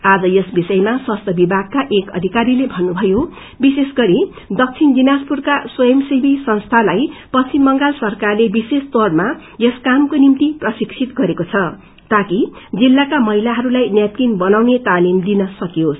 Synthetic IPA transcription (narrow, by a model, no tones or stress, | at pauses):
ad͡zʌjʌsbisʌjemaswast̪ʰʌbibʱaɡ̚kaʔekʌ̰d̪ʱikaɾilebʱʌnːubʱʌjo | bisesɡʌɾi | d̪ʌk̚t͡sʰind͡zinaspurkaswʌjʌmsibʱisʌnst̪ʰalajpʌt͡sʰimʌŋɡalsʌrkarlebisest̪orma | jʌskamkonimt̪iprʌsiksʰit̪ɡʌɾekot͡sʰʌ | t̪akid͡zilːakamʌɦilaɦʌɾulajnjat̪kinbʌnawnet̪alimd̪inʌsʌkijos